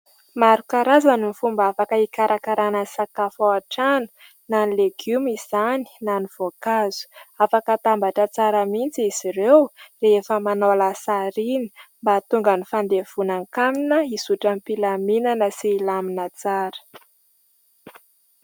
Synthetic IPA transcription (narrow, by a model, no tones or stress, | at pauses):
maɾukaɾazanimifumbafakəikaɾakaɾanəsakafowaʈ͡ʂanu̥ | nanileɡ̥umiz̥ani̥naniv̥okazu̥afakət̪ambaʈ͡ʂət͡saɾəmint͡siiz̥iɾewrefəmanolasaɾini̥mbat̪uŋɡənifand̪ev̥unaŋkaminəisuʈ͡ʂamipilaminanəsiːlaminət͡saɾə̥